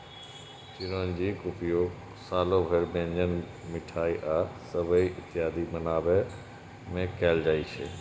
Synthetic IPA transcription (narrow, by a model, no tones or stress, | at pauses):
t͡ʃɪɾoːnd͡ʒiːkʊpɪjoːɡ | saːlobʱəɾbẽːɲd͡ʑən | mɪʈʰaːiʔaːsəbəiʔɪt̪ɪjaːd̪imɐnaːbə | mẽkʰaːld͡ʒaːit͡ʃʰḛː